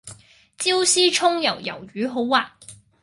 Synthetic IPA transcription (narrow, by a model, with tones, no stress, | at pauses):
t͡si˥wsiː˥t͡ʃʰʊ˥ŋjɐ˨˩wjɐ̰˨˩wjyː˨˥ɦo˨˥wːaː˨